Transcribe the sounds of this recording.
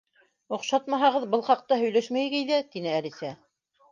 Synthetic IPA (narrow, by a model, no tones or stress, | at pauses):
ŏqʃɑt̪mɑɦɑʁɤðbɤlˠχɑq̚t̪ɑhɵ̆jlæʃmæjɡɘjðæt̪inɘælisæ